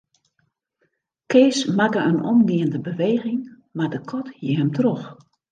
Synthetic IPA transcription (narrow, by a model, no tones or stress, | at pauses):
keːsmakəənʔɔ̰mdiəndəbəʋeːɣɪŋ | mardəkʰɔthiɦəmtrox